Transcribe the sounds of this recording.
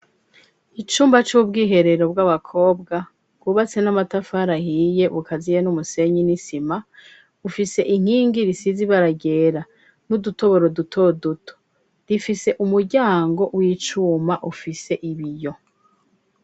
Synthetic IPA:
it͡ʃuːmbat͡ʃubɡiːɦe̞ɾe̞ɾo̞bɡaβakʰo̞ːbɡa | ɡuβat͡se̞namatafaɾahije̞βukazijenumuse̞ɲinisima | ufise̞ʔiŋ̥iːŋɡiɾisiziβaɾaɡe̞ɾa | nuduto̞βo̞ɾodutʰo̞dutʰo̥ | d̥ifise̞ʔumuɾɟaːŋɡo̞wiːt͡ʃumaʔufise̞ʔiβijo̞

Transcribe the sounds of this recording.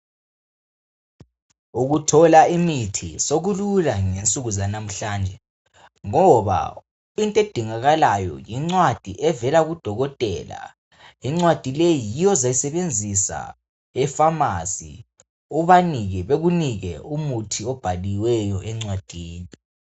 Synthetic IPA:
uɣutʰɔlaimitʰisoɣululaŋent͡sʼuɣuzanam̩ɬaːnd͡ʒʱɛ | ŋɔβa̰ | intʼed̥ʱiŋaɣalajɔ̰jiŋ͡ǀwad̥ʱḭʔɛvɛlaɣud̥ʱɔɣɔtʼɛla̰ | iŋ͡ǀwad̥ʱilejijijɔzajisɛβend͡zʱisa̰ | ɛfamasḭ | ɔβaniɣɛβeɣuniɣɛ̰umutʰiɔb̥ʱaliwɛjɔʔɛŋ͡ǀwad̥ʱiːni

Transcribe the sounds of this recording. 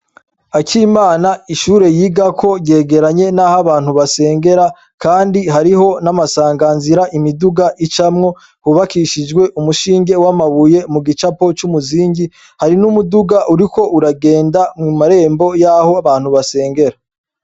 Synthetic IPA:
akʰimaːnaiʃuːɾe̞jiːɡakʰo̞ɟe̞ːɡe̞ɾaɲe̞nahaβaːn̥huβase̞ːŋɡe̞ɾa | kaːndiɦaɾiɦo̞namasaːŋɡanziɾaʔimiduɡaʔit͡ʃamŋo̞ | huβakiʃid͡ʒɡwe̞ʔumuʃiːŋɡe̞wamaβuje̞muɡit͡ʃapo̞t͡ʃumuziːɲɟi | haɾinumuduɡaʔuɾiko̞ʔuɾaɡe̞ːndamŋimaɾe̞ːmbo̞jaho̞aβaːn̥huβase̞ːŋɡe̞ɾa

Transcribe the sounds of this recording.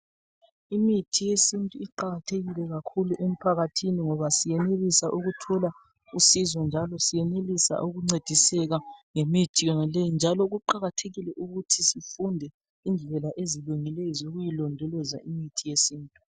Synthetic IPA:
imitʰijesintʼuiǃaɣatʰeɣilɛɣakʰuluʔem̩pʰaɣatʰiniŋɔβasijɛnelisaʔuɣutʰɔla | usizɔnd͡ʒʱalɔsijɛnelisa̰ʔuɣuŋ͡ǀed̥ʱisɛɣaŋemitʰʼijɔnalejind͡ʒʱalɔɣuǃaɣatʰeɣilɛʔuɣutʰisifundʱɛ | ind͡ɮʱɛɛlaʔeziluŋilejzuɣujilɔndʱɔlɔza̰imitʰijesiːntʼu

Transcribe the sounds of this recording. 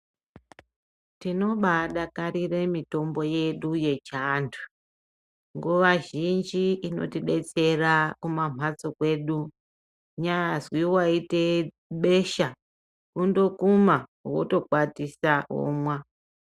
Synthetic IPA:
tino̞ɓaɗakaɾire̞mito̞mbo̞je̞ɗuje̞t͡ʃaːntʰu̥ | ŋɡuʋaʒind͡ʒiːno̞̰tiɗe̞t͡se̞rakumam̤ʱat͡sokwe̞ɗu | ɲaazwiwaite̞ | ɓe̞ʃa | kundo̞kumawo̰to̞kwatisaɦo̰mwa

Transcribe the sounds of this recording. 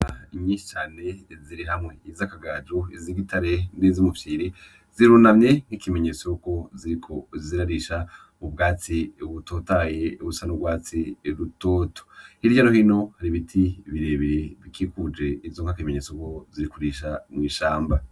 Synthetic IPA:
iɲiːʃi̥t͡ʃaːne̞ziɾiɦamŋe̞izakaɡaːd͡ʒuiziɡitʰaɾe̞ndizimufiːɾi | ziɾuːnamɲe̞ŋ̥hikime̞ɲet͡souko̞ziɾikʰo̞ziziɾaɾiʃa | ub̚ɡaːt͡siβuto̞ːtajeusanubɡwaːt͡siɾutoːtʰo̥hiɾɟaɾohino̞haɾiβitʰiβiɾe̞ːβiɾeβikʰiːkud͡ʒe̞ivzoŋkakimeɲeːt͡soko̞ziɾikuɾiʃamŋiːʃaːmba

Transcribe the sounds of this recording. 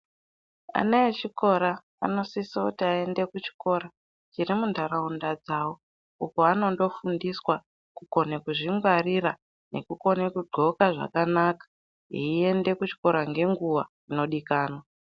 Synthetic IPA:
a̰naet͡ʃiko̞ɾa | ano̞sisokutiae̞nde̞kut͡ʃi̥ko̞ːɾa | t͡ʃirimundʱaɾaundad͡zaːwo | ukoano̞ndo̞fundiswa | kuko̞nekuʐiŋɡwarira | ne̞̰kuko̞nekuɡ͡ǃʱo̞kaʐa̰kanaːkḁ | eie̞nde̞kut͡ʃi̥ko̞ɾaŋɡe̞ŋɡuʋa̰ | ino̞ɗikaːnwa

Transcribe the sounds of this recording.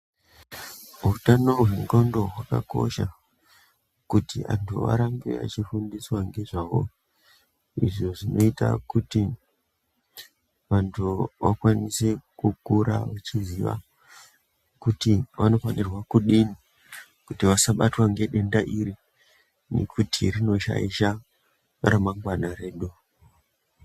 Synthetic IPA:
ɦutano̞ɦweŋɡondo̞ɦwaka̰ko̞̰ʃa | kutiʔa̰ntʰuʋa̰ɾambḛa̰t͡ʃifundiswaŋɡe̞ʐaːʋo̞̰ | ḭʐo̞ʐino̞ita̰kuti | ʋantʰuʋakwanise̞kukuɾa̰ʋat͡ʃiziʋa̰ | kutiʋano̞fanirwakuɗini | kutiʋasaɓatwaŋɡe̞ɗe̞ndaʔiɾi | nḛkʰutʰirino̞ʃa̰iʃa | ramaŋɡwanaɾe̞ːɗu

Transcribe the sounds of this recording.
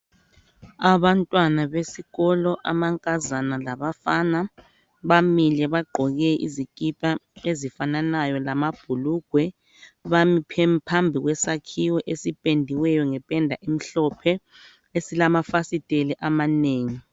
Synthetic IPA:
aβantʼwanaβesiɣɔlɔʔamaŋkʼazanalaβafaːna | βamilɛβaɡ͡ǃʱɔɣɛḭzikʼipʼaezifananajɔlamab̥ʱuluɡ̥ʱwɛ | βampʰmpʰambʱiɣwɛsakʰiwɔʔesipʼendʱiwɛjɔŋɛpʼɛndʱaʔim̩ɬɔpʰɛ | esilamafasitʼelɛʔamaneːŋi

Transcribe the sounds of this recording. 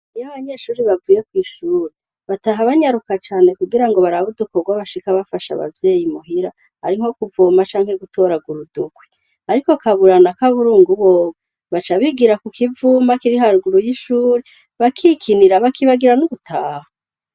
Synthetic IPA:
ijaβaɲe̞ʃuːɾiβavuːje̞kwiːʃuːɾi | βataɦaβaɲaɾukat͡ʃaːne̞kuɡiɾaŋɡo̞βaɾaβudukoɡwaβaʃikaβafaʃa̰βa̰vje̞ːjimuɦiɾa | ha̰ɾiŋo̞kuvuːmat͡ʃaːŋ̥he̞ɡutʰo̞ːɾaɡuɾuduɡwe | aɾiko̞kaβuɾanakaβuɾuːŋɡuβoːβe | βat͡ʃaβiɡiɾakukʰivuːmakiɾiɦaɾɡuɾujiʃuːɾe | βakʰikʰiniɾaβakʰiβaɡiɾanuβutʰaːha

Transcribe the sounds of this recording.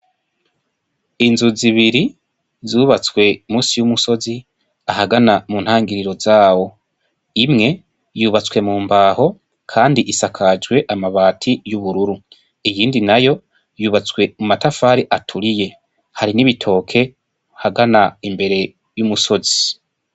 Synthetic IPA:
inzuziβiɾi | zuːβat͡swe̞muːsijumuso̞zi | ahaɡanamun̥haːŋɡiɾiɾo̞zaːwo̞ | imŋe̞ | juːβat͡swe̞muːmbaːho̞ | kʰaːndiʔisakʰad͡ʒɡwe̞ʔamaβaːtʰijuβuɾuɾu | ijiːndinajo̞ | juːβat͡swe̞mumatafaːɾiʔatʰuɾije̞ | haɾiniβitʰo̞ːkʰe̞ | haɡanaimbe̞ɾe̞ | jumuso̞zi̥

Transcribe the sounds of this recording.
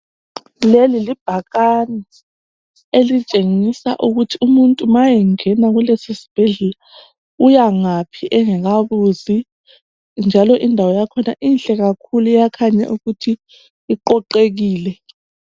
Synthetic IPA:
lelilib̥ʱaɣanɛ | elit͡ʃʼeŋisa̰ʔuɣutʰiumuntʼumajɛŋɛnaɣulesisi̥b̥ʱɛɮɛla | ujaŋapʰiʔɛŋɛɣ̬aβuzi | nd͡ʒʱalɔʔindʱawɔjakʰɔna̰ʔinɬʼɛɣakʰulujakʰaɲa̰ʔuɣutʰiː | ǃɔǃeɣ̬iːlɛ

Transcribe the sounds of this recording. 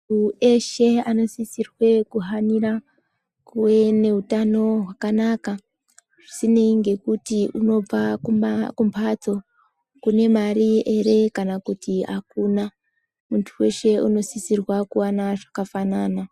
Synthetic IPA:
mue̞ʃe̞ano̞sisirwe̞kuɦanira | kuwene̞utano̞ɦwakanaːka | ʐ̥isine̞iŋɡe̞kutiuno̞b͡vakuakumpʰat͡so̞ | kune̞maɾie̞ɾe̞kanakutia̰kuːna | muntʰuwe̞̰ʃe̞ṵno̞sisirwakuwanaʐakafanaːna

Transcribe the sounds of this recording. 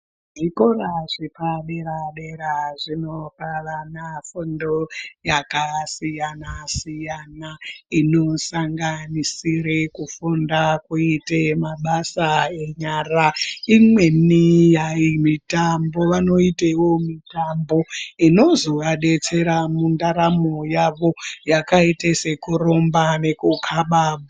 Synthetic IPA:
ʐiko̞raʐipaɗeɾaɗe̞ɾaʐinoɓaʋanafundojakasijanasijanaino̞saŋɡanisirekufundakuitemaɓasaeɲaraimwe̞nijaimitambo̞ʋano̞itaiwo̞mitambo̞ino̞zo̞ʋaɗe̞t͡se̞ɾamundaɾamojaʋo̞jakaitese̞kuro̞mbane̞kukʰaɓaːɓu

